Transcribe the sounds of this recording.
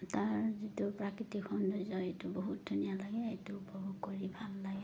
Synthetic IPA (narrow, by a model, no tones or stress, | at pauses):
taɹzitupɹakɹitikʰɔndɔzɔetubɔɦut̚dʱunijalaɡɛetuupɔbɔɡkɔɹibʱalːaɡɛ